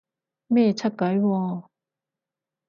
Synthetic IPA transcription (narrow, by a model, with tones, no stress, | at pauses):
mɛ˥˩t͡ɕʰa˥t̚ka˨˦jwɔ˧˩